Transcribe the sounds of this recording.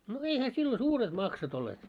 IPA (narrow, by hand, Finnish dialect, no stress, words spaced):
no eihæ silːo suːret mɑksot olːeːt